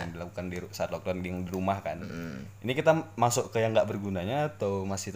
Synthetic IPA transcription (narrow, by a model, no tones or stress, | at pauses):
aŋdilakukandisaat̪lɔk̚dandiŋdiɾumahkaninikit̪amasʊʔkəjaŋɡaʔbərɡunaɲaːt̪aumasɪht